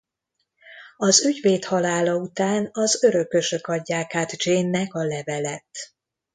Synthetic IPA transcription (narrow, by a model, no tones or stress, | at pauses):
ɒzyɟveːt̪hɒlaːlɒut̪aːnɒzøɾø̞kːø̞ʃø̞kɒɟːaːkaːt̪d͡ʒeːnːɛkɒlɛvɛlɛt̪